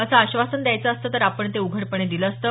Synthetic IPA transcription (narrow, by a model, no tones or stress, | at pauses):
əsəaɕʋasənd̪jajt͡səəst̪ət̪əɾapəɳt̪euɡʱəɽpəɳ̃ed̪iləəst̪ə